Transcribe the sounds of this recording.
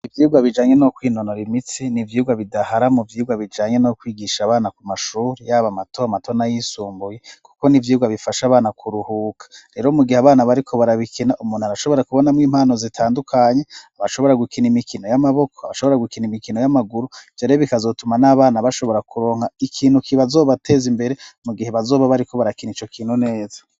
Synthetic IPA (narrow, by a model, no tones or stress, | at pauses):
ivjiuɡaβid͡ʒaːɲe̞nokwiːno̞noɾimit͡sinivjiuɡaβidahaɾamuvjiuɡaβid͡ʒaːɲenokwiːɡiʃaːβaːnakumaʃuːɾijaːβamatʰoamato̞najisuːmbuje̞ku̥ko̞nivjiuɡaβifaʃaːβaːnakʰuɾuhuːkʰḁɾe̞ːɾo̞muɡihaβaːnaβaɾikʰo̞βaɾaβikʰinaʔumuːn̥uaɾaʃo̞βo̞ɾakuβo̞namŋwiːmhaːno̞zitʰaːndukʰaɲe̞aβaʃo̞βo̞ɾaɡukinimikino̞jamaβo̞kʰoaβaʃo̞βo̞ɾaɡukinimikino̞jamaɡuɾuvɟaɾeoβikazo̞tumanaβaːnaβaʃo̞βo̞ɾakuɾo̞ːŋhaikʰiːn̥hukiβazo̞ːβate̞zimbe̞ɾe̞muɡiheβazo̞ːβaβaɾiko̞βaɾakinit͡ʃo̞kʰiːn̥hune̞ːza